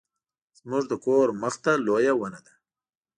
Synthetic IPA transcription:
z̥mʊʐd̪əkoɾməxt̪alojawənad̪a

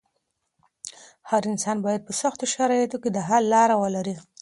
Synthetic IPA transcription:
haɾɪnsɑnbɑjad̪̚pəsaxt̪oʃaɾɑjat̪oked̪əɦalːɑɾawəlaɾi

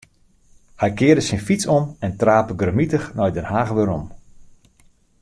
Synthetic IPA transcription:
hɛjkɪːədəsɪnfisɔmɛntraːpəɡrəmitəxnɔjdɛnhaːɣʋɪɾɔm

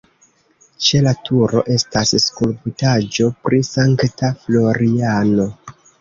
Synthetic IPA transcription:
t͡ʃe̞latʰuɾo̞̰ʔe̞stasskulpitad͡ʒo̞pɾʔisaŋktaflo̞ɾiano̞

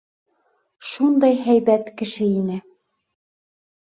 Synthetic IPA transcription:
ʃund̪ɑjɦæjbæt̪kɘ̆ʃɘinɘ

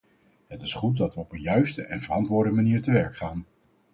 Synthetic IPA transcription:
ɦətɪsχut̚dɑtʋəɔpənjœɥstəʔɛnvərɑntʋʊːɹdəmaniːɹtəʋɛɹkχaːn

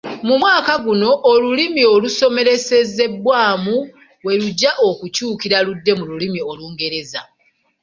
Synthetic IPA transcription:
mumwaːkaɡuno̞ʔːlulimio̞luso̞me̞ɾe̞se̞ze̞bwaːmu | we̞luɟːaʔokucuːkiɾaludːe̞mululimio̞luːŋɡe̞ɾe̞za̰

